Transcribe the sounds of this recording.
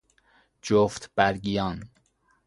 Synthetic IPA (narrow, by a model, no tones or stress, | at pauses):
d͡ʒoft̪b̥æɾɡijɑːn